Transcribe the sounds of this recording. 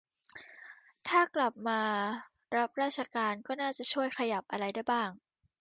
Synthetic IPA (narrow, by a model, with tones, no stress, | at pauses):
t̪ʰaː˥˩kla˨˩p̚maː˧ | ɾa˦˥p̚ɾaː˥˩t̚t͡ɕʰa˧kaː˧nkɔː˥˩naː˥˩t͡ɕa˨˩t͡ɕʰu˥˩əjxʰa˧ja˨˩p̚ʔa˧ɾa˧jda˥˩jbaː˥˩ŋ